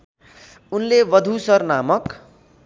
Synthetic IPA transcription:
unleʋʌd̪ʱusʌrnamʌk

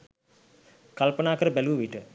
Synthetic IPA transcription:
kalpənaːkəɾəbæluʋiʈə

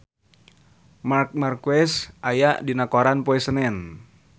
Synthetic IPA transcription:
mark̚markwɛsʔajaʔdinakoɾanpɔɛsənɛn

